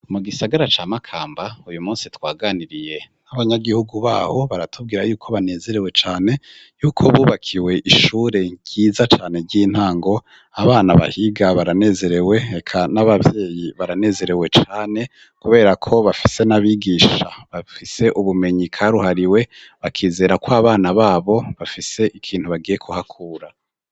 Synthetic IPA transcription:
muɡisaɡaɾat͡ʃaːmakʰaːmbaujumuːnsitwaːɡaːniɾije̞naβaɲaɡihuɡuβa̰ːho̞βaɾatʰub̚ɡiːɾajuːkʰo̞βane̞ːze̞ɾe̞we̞t͡ʃaːne̞ | juːkʰoβuːβakʰiwe̞ʔiʃuːɾe̞ɟ̥iːzat͡ʃaːne̞ɾɟiːn̥haːŋɡo̞ | aβaːnaβa̰hiɡaβaɾane̞ːze̞ɾe̞we̞ekʰanaβavje̞ːjiβaɾane̞ːze̞ɾe̞we̞t͡ʃaːne̞ | kuβe̞ːɾakʰo̞βafi̥se̞naβiɡiːʃaβafise̞ʔuβume̞ɲikʰaɾuɦaɾiwe̞βakʰiːze̞ːɾakoaβaːnaβaːβo̞βafise̞ʔikʰiːn̥huβaɡiːje̞kʰuɦakʰuːɾa

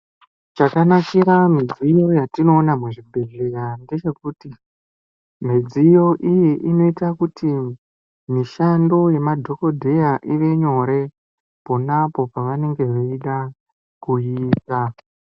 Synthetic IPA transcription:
t͡ʃakanakiɾamid͡zijo̞jatino̞ːnamuʐibʱe̞ɮe̞ɾande̞t͡ʃe̞kuti | m̤id͡zijo̞ʔijiʔino̞itakuti | miʃando̞je̞madʱo̞ko̞dʱe̞jaʔiʋe̞ɲo̞ɾe̞ | ponapo̞paʋane̞ŋɡe̞ʋeiɗa | kuiːta

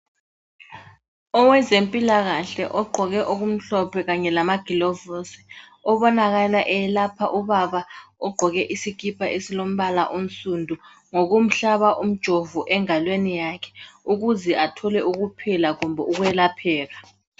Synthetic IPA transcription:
ɔwɛzempʼilaɣaɬɛ̰ʔɔɡ͡ǃʱɔɣɛʔoɣum̩ɬɔpʰɛɣaɲɛlamaɡ̥ʱilɔvosi̥ | ɔβɔnaɣalaʔɛlapʰaʔuβaβaɔɡ͡ǃʱɔɣɛʔisik̬ʰʼipʰaʔesilom̩ɓala̰ʔum̩sʼundʱu | ŋoɣum̩ɬaβaʔum̩d̥ʒ̥ʱovuʔɛŋalwenijakʰɛ̥uɣuzɛʔatʰɔlɛʔuɣupʰilaɣumbʱɔʔuɣuɛlapʰɛːɣa

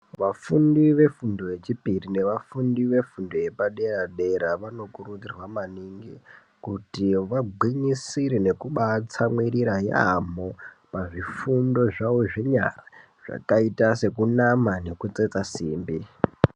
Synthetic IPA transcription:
ʋafundiʋe̞fundo̞je̞t͡ʃipirine̞ʋafundiʋe̞fundo̞je̞paɗe̞raɗe̞ɾaʋano̞kurud͡zirwamaniŋɡi | kutiʋaɡʱwiɲisiɾine̞kuɓat͡samwiɾiɾaja̰mo | paʐifundo̞ʐaoʐe̞ɲa̰ra | ʐ̥a̰kaitase̞kunamane̞kut͡set͡sasiːmbi

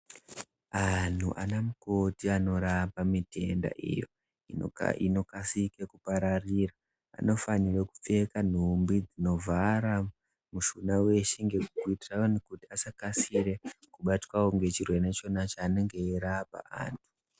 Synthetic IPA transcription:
an̤ṵʔa̰namuko̞tiano̞ɾapamitʰe̞nda̰ʔḭjo̞̰ | ḭno̞kasikekupaɾariːra̰ː | no̞fanireku̥p͡fe̞kan̤umbid͡zino̞vʱaɾa | muʃunawe̞ʃiŋɡekukuitiraonikutiasakasiɾe̞kuɓatwawoŋɡe̞t͡ʃirwe̞net͡ʃo̞nat͡ʃaːneŋɡe̞iɾapa̰a̰ːntʰu̥

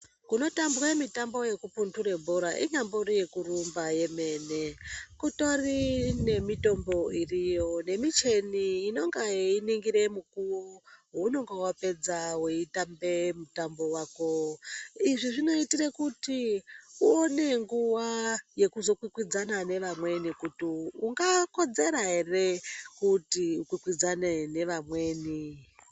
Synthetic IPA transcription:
kuno̞tambwemitambo̞je̞kupuntuɾebʱoɾaʔḭɲamboɾije̞kurumbaje̞me̞ne̞kuto̞rine̞mito̞mbo̞irijo̞ne̞mit͡ʃe̞niːno̞ŋɡainiŋɡiɾe̞mukuwowuno̞ŋɡewape̞d͡zaweitambe̞mutambo̞waːko̞ | iʐiʐino̞itirekutiuone̞ŋɡuʋaje̞kuzo̞kwikwid͡zanane̞ʋamwe̞nikutiuŋɡako̞d͡ze̞ɾaɦe̞re̞kutiukwikwid͡zanene̞ʋamweːni

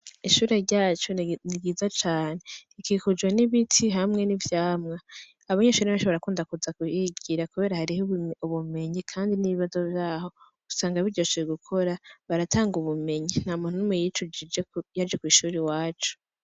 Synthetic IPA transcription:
iʃuːɾe̞ɾɟaːt͡ʃoniɡiːzat͡ʃaːne̞ikikud͡ʒɡeniβitʰiɦamŋe̞nivjaːmŋa | aβaɲeʃuːɾeaʃoβaɾakuːndakuzakujiɡiɾakuβe̞ːɾahaɾihuβume̞ɲikʰaːndiniβiβazo̞vjaːho̞ | ɡ̥usaːŋɡaβiɾɟot͡ʃieɡukʰo̞ɾaβaɾatʰaːŋɡuβume̞ɲin̥hamuːn̥unumejit͡ʃuid͡ʒejaɾd͡ʒekwiːʃuːɾewaːt͡ʃu̥

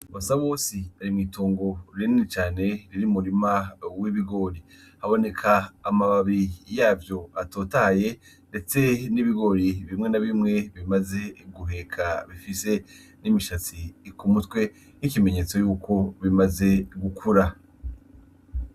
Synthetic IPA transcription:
βasaβo̞ːsiaɾimŋiːtoːŋɡo̞ɾininit͡ʃaːne̞ɾiɾimuɾimawiβiɡo̞ɾi | haβo̞ne̞kʰaːmaβaβijaːvjo̞ato̞ːtaːje̞ | nde̞t͡se̞niβiɡo̞ɾiβimŋe̞naβimŋe̞βimaze̞ɡuɦe̞kʰaβifise̞ | nimiʃat͡sikumutwe̞ | nikime̞ɲe̞ːt͡so̞juːkʰo̞βimaze̞ɡukʰuɾa

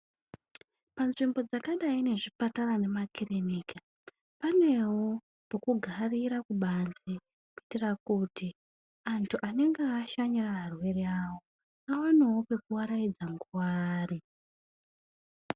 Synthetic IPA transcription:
panʐimbo̞d͡zakaɗaine̞ʐipatarane̞makʰiremiːka | pane̞wo | pokuɡʱariɾakuɓanze | kuitirakuti | antʰuʔane̞ŋɡeaʃaɲiraɦarwe̞reawo̞ | aonewo̞pe̞kuwaɾaid͡zaŋɡuwaːri

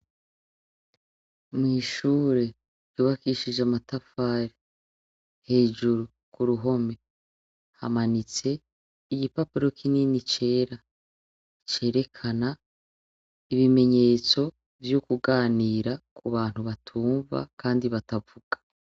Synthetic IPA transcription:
mŋiːʃuːɾe̞̥ | juːβakiʃid͡ʒamatafaːɾe | he̞ːʒuɾu | kuɾuɦo̞me̞ | ha̰manit͡se̞ | iɟipapuɾo̞kʰininit͡ʃe̞ːɾa | t͡ʃe̞ːɾe̞kʰana | iβime̞ɲe̞ːt͡so̞ | vjokuɡaːniːɾakuβaːn̥huβatʰuːɱva̰kʰaːndiβatavuɡ̥ḁ

